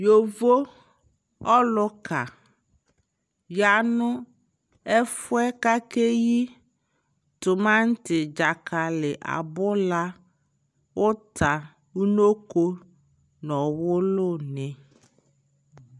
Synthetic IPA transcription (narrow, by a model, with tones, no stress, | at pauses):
jo˨vo˦ | ɔ˦lʊ˦ka˨ | ja˨nʊ̃˦ | ɛ˦fʊ˦ɛ˦ka˦ke˦ji˦ | t̪ʊ˨mã˦ŋ̩˦tɪ˨d͡ʒa˨kʰa˨lɪ˨ʔa̰˨bʊ˦la˦ | wʔʊ˦t̪ʰa˨ | u˦no˦ko˦ | nɔ̃˨wʊ˦lʊ˦nɪ̃˨